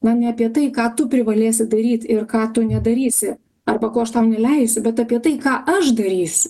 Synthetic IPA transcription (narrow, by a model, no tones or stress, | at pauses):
mɐnʲɛɐpʲiɛt̪ɐɪkɑːt̪ʊpʲɾʲɪʋɐlʲeːsʲɪd̪ɐɾʲiːt̪ɪrkɑːt̪ʊnʲɛd̪ɐɾʲiːsʲɪ | ɐrbɐkoːɐʃt̪ɐʊnʲɛlʲɛɪsʲʊbʲɛt̪ɐpʲiɛt̪ɐɪkɑːʔɐʃd̪ɐɾʲiːsʲʊ